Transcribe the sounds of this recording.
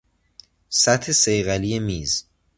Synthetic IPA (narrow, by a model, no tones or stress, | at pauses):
sæt̪ʰesejɣælijemiːz